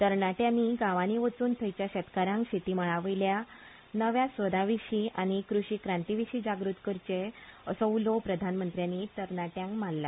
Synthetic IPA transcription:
t̪əɾɳaʈjãnːiɡaʋaniʋət͡suːnt̪ʰəjt͡ɕjaɕɛt̪kaɾãŋkɕit̪iməɭaʋəjlja | nəʋjãsʋəd̪aʋiɕiʔaɽ̃ikɾuɕikɾãnt̪iʋiɕiːd͡ʑaɡɾut̪kəɾt͡ɕeəsɔulopɾəd̪ʱanmənt̪ɾjanːit̪əɾɳaʈjãŋkmallːa

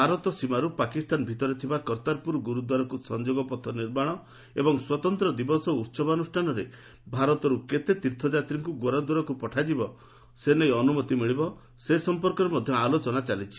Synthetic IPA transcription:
bʱaɾɔt̪ɔsimaɾupakist̪anbʱit̪ɔɾet̪ʰibakɔɾt̪aɾpuɾɡuɾud̪waɾɔkusɔnd͡ʒoɡɔpɔt̪ʰɔniɾmaɽ̃ɔ | ebɔŋswɔt̪ɔnt̪ɾɔd̪ibɔsɔut̪sɔbɔnusʈʰanɔɾe | bʱaɾɔt̪ɔɾuket̪et̪iɾt̪ʰɔd͡ʒat̪ɾiŋkuɡoɾad̪waɾɔkupɔʈʰad͡ʒibɔ | senejɔnumɔt̪imiɭibɔ | sesɔmpɔɾkɔɾemɔd̪ʱjɔalot͡ʃɔnat͡ʃalit͡ʃʰi̥

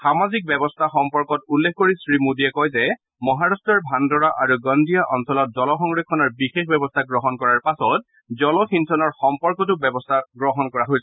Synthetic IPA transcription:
xamazik̚bɛbɔstʰaxɔmpɔɹkɔtulːekʰkoɹisɹimudiɛkɔjzɛ | mɔɦaɹastɹɔɹbʱandɔɹaʔaɹuɡɔndijaʔɔnsɔlɔt̚zɔlɔxɔŋɡɹekʰːɔnɔɹbixexbɛbɔstʰaɡɹɔɦɔnkɔɹaɹpasɔt̚ | zɔlɔxintʰɔnɔɹxɔmpɔɹkɔt̬ʊbɛbɔstʰaɡɹɔɦɔnkɔɹaɦojs

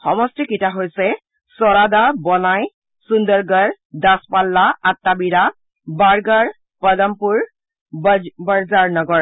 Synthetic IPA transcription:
xɔmɔstikitaɦojsɛ | sɔɹadabɔnaj | sundɔɹɡaɹ | daspalːaatːabiɹa | baɹɡaɹ | pɔdampuɹ | baɹzaɹnɔɡɔɹ

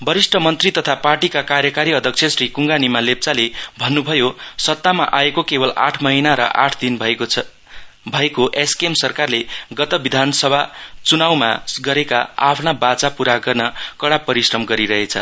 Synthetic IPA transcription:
bʌɾisʈʰʌmʌnt̪rit̪ʌt̪ʰaparʈikakarjʌkaɾiʌd̪ʱʌk̚t͡sʰjʌsrikuŋɡanimalep̚t͡salebʱʌnːubʱʌjosʌt̪ːama̰ʔaekokebʌla̰ʈʰmʌɦinaɾʌ̰ʔa̰ʈʰd̪inbʱ | bʱʌekoʔeskemsʌrkarleɡʌt̪ʌbid̪ʱansʌbʱat͡sunawma̰ɡʌɾeka̰a̰pʰnabat͡sapuɾaɡʌrnʌkʌɽapʌɾisrʌmɡʌɾiɾʌɦet͡sʰʌ̰

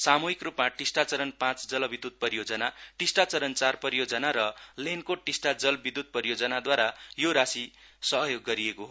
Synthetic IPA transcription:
samuɦikrupmaʈisʈat͡sʌɾʌnpãt͡sd͡zʌlʌbid̪ːud̪̚pʌɾijod͡zʌnaʈisʈat͡sʌɾʌnt͡sarpʌɾijod͡zʌnaɾʌlenkoʈisʈad͡zʌlbid̪ːud̪̚pʌɾijod͡zʌnad̪waɾajoɾasi | sʌɦʌjoɡːʌɾiekoɦo

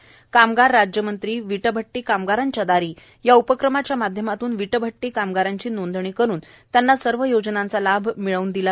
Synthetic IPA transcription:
kamɡaɾːad͡ʑjəmənt̪ɾiːʋiʈəbʱəʈːiːkamɡaɾaɲt͡ɕad̪aɾiː | jaupəkɾəmat͡ɕjamad̪ʱjəmat̪uːnʋiʈəbʱəʈːiːkamɡaɾaɲt͡ɕiːnond̪ʱɳiːkəɾuːn | t̪janːasəɾʋəjod͡znant͡salabʱmiɭəuːnd̪ila

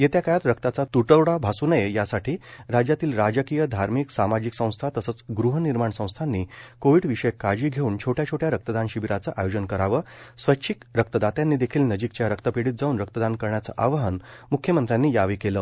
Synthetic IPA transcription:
jet̪jakajat̪ɾəkt̪at͡sat̪uʈəwɽabʱasunəjejasaʈʰiːɾad͡ʑjat̪iːlɾad͡ʑəkijəd̪ʱaɾmiksamad͡ʑiksə̃w̃st̪ʰat̪əsəːt͡sɡɾuɦəniɾmaɳsə̃w̃st̪ʰanːiːkoʋiɽʋiʂəjkad͡ʑiːɡʱeuːnt͡ɕʰoʈʰjat͡ɕʰoʈʰjaɾək̚t̪əd̪anɕiʋiɾat͡səʔajod͡ʑənkəɾaʋəːsʋətːɕʰikɾək̚t̪əd̪at̪janːiːd̪ekʰiːlnəd͡ʑikt͡ɕjaɾək̚t̪əpiɽiːt̪̚d͡zauːnɾək̚t̪əd̪ankəɾɳjat͡sə̰ʔaʋəɦənmukʰjəmənt̪ɾjanːiːjaʋikeləː

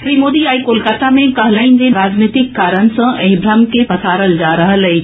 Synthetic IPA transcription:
fɾiːmoːd̪iaːikoːlkaːt̪amẽkɐɦlaːind͡ʑeɾaːd͡ʑniːt̪ɪkːaːɾənɪ̆sãʔɛ̃bʱɾamkʰepɐsaːɾəld͡ʑaːɾɐɦəlɐe

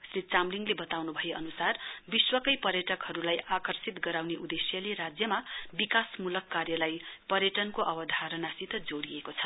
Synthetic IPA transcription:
srit̪̚t͡samliŋɡlebʌt̪awnubʱʌjeʔʌnusarbiswʌkʌjpʌrjʌʈʌkɦʌɾulajakʌrsit̪ɡʌɾawneʔud̪esjʌleɾad͡zjʌmabikasmulʌkːarjʌlajpʌɾjʌʈʌnkoʔʌbʌd̪ʱaɾʌnasit̪ʌd͡zoɽiekot͡sʰʌ̥

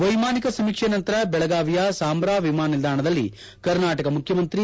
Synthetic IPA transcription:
ʋɐjmaːnikɐsɐmiːkʂenɐnt̪ɐɾɐbɛɭɐɡaːʋijasaːmbɾaːʋimaːnɐnild̪ʱaːɳɐd̪ɐlːḭ | kɐɾnaːʈɐkɐmukʰjɐmɐnt̪ɾi

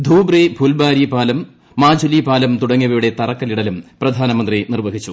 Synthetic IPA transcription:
d̪ʱuːbribʱulbaːɾipaːlɐmː | aːd͡ʑʱulipaːlɐmt̪uɽɐŋːɐʋijʋiɽet̪ɐrɐkːɐliɽɐlumprɐd̪ʱaːnɐmɐnd̪rinirʋɐɦit͡ɕːu

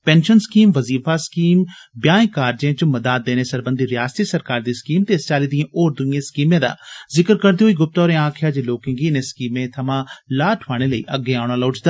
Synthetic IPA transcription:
pɛ̃ːnʃənskiːmʋəziːfaːskiːmbjãːẽːkaːɾd͡ʒẽːt͡ʃʊməd̪aːd̪̚ːeːneːsəɾbənd̪iːɾɪjaːst̪iːsəɾkaːɾd̪iːskiːmt̪eːst͡ʃaːliːd̪iãːʔoːɾd̪ʊiẽːskiːmẽːd̪a̰ːzɪkəɾkəɾd̪eːɦoːiːɡʊp̚t̪ɔːɾẽːãːkʰjaːd͡ʒeloːkɪ̃ŋɡiːnẽːskiːmẽːt̪ʰəmãːlaːʈʰʋaːɽ̃eːləḭːʔəɡːeːaːɽ̃ãːlaʊt͡ʃd̪aː

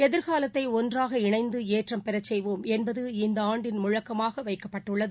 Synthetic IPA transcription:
ɛðɪɾɣaːlɐt̪ːɐɪɔndraːɣɐɪɳɐɪnd̪ɯeːʈrɐmpɛɾɐt͡ʃːɛjʋoːmɛnbɐðɯɪnd̪ɐaːɳɖɪnmʊɻɐkːɐmaːɣɐʋɐɪkːɐpːɐʈːɯɭːɐðɯ

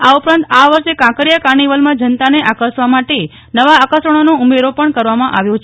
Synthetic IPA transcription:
aupɾãnt̪aʋəɾʃekãkəɾjakaɾɳiʋəlmãd͡ʒənt̪aneʔakəɾsʋamaʈe | nəʋaːkəsəɳ̃onoumeɾopəɳkəɾʋamãʔa̰ʋjõt͡ʃʰ

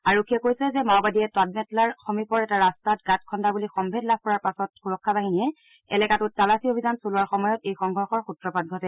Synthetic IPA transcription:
aɹokʰiɛkojsɛzɛmawbadijɛtwad̚mɛtlaɹxɔmipɔɹɛtaɹastatɡatkʰɔndabulixɔmbʱedlab̚ʰʱkɔɹaɹpasɔt̚xuɹɔkʰːabaɦiniɛ | ɛ̰lɛkatʊttalasiobʱizansolʊwaɹxɔmɔjɔtejxɔŋɡʱɔɹxɔɹxutɹɔpat̚ɡʱɔtɛ

